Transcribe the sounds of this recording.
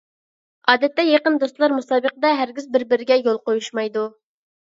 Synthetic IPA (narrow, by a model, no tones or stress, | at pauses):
ɑːd̪ɛt̪ːɛjeqənd̪ost̪lˠɑɾmusɑːbəqəd̪ɛɦæɾɡʲizbɪɾbɪɾɪɡʲɛjolˠqojuʃmɑjd̪u